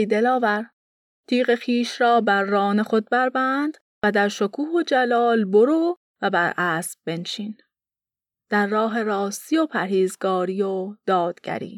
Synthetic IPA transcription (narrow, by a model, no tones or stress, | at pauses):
jd̪e̞lɒːvæɾ | t̪ʰiːɣe̞xiːʃɾɒːbæɾːɒːnexod̪̚bæɾbænd̪̥ | væd̪æɾʃokʰuːhod͡ʒælɒːlboɾuː | væbæɾʔæːsb̚be̞nʃiːn | d̪̥æɾːɒːɦe̞ɾɒːst̪ijopʰæɾhiːzɡɒːɾiːjod̪̥ɒːd̪̥ɡ̥æ̰ɾḭː